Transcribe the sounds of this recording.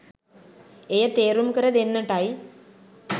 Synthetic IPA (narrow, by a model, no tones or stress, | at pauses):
ejət̪eːɾumkəɾəd̪enːəʈaj